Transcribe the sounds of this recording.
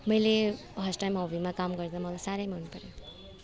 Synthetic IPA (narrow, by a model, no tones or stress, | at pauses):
mʌjle | ɦʌsʈajmɦawbʱimakamɡʌɾd͡zamʌlasaɾəjmanupʌɾe